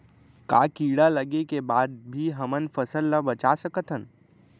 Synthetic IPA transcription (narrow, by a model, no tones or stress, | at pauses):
ka̰ːkiːɽaləɡekebaːd̪̚bʱiɦɐmənfəsəlːabət͡ʃasəkət̪ʰɦən